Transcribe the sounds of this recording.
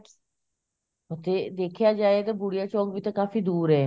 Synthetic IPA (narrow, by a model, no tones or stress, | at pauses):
ot̪eːd̪eːkʰɪjaːd͡ʒaːeːt̪aːbʊɽɪjaːt͡ʃɔːkʋiːt̪ãːkaːfiːd̪uːɾɦɛː